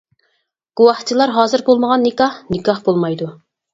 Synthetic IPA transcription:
ɡ̥uwɑχt͡ʃʰilˠɑɾɦɑːzɨɾbolˠməʁɑnːɪkɑhnɨkʰɑhbolˠmɑjd̪u

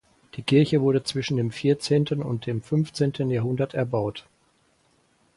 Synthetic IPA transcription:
d̥iːkʰɪɐçəvʊɐɾət͡sv̥ɪʃn̩deːmfiːɐt͡seːntʰənʊ̰nt̚d̥eːmfʏnft͡seːntʰənjaːɦʊndɐtɛɐbaʊt

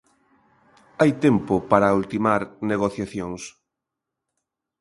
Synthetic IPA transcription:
ajt̪ɛmpopaɾault̪imaɾneɣoθjaθjoŋs

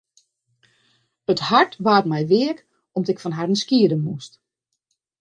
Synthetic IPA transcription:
əthaɹtʋaːtmɛjʋɪək | ɔmdɔɪkfɔnɦarən̩skiədənmust

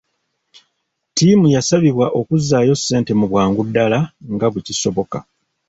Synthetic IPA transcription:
timujasaβiβwaʔo̞kuzːaːjo̞sːe̞ːnte̞muβwaːŋɡudːalaŋɡaβweciso̞βoka

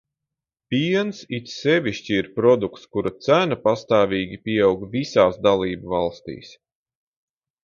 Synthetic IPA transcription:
pʲiɛnsit̪sɛvʲiʃt͡ɕiːɾpɾɔd̪ukt̪skuɾat̪sænapast̪aːvʲiːɡʲipʲiɛawɡvisaːsd̪alˠiːbvɑlˠst̪ḭːs

